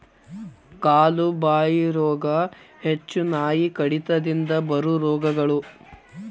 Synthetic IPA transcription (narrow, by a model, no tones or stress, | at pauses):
kaːlubaːjiɾɔːɡɐhet͡ʃːunaːjikɐɽit̪ɐd̪ind̪ɐbɐɾuɾɔːɡɐɡɐɭu